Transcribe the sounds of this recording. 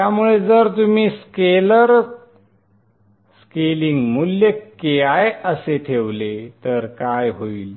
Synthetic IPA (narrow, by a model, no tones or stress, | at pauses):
t̪jamuɭed͡zəɾt̪um̤iːskeləɾ | skeliŋɡmuljekeajəseʈ̪ʰeʋlet̪əɾkajɦoiːl